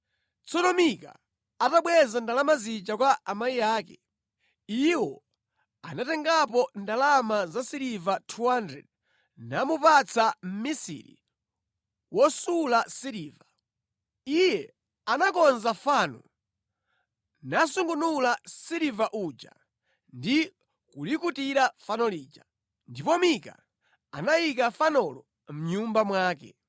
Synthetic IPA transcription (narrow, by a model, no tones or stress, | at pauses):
t͡sɔtɔmika̰ | ataɓwɛzandalamazit͡ʃakwaʔamaiaːkɛ | iwɔ | anatɛŋɡapɔndalamazasiɾivatʰuandɾɛ̰d̚ | namupat͡sʰam̩misḭɾḭ | wɔsulasiɾiːva | ijɛ | anakɔnzafanɔ̰ | nasuŋɡunulasiɾivaʔud͡ʒa̰ | ndi | kulikutiɾafanɔliːd͡ʒa | ndipɔmika̰ | anajikafanɔlɔ | m̩ɲumbamwaːkɛ̰